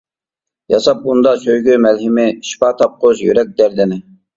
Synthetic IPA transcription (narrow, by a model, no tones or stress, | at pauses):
jɑsɑp̚und̪ɑsøjɡʲymɛlɦɪmɪʃi̥pɑt̪ʰɑp̚qʰozjy̰ɾɛk̚ʲd̪æɾd̪ɪnɪ